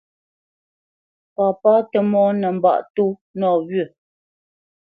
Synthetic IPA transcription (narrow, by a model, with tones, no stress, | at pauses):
paː˨paː˦tə˦mɔː˦nə˨m̩˨ba̰˦˨ʔtu˦nɔː˨ɣɥə˦˨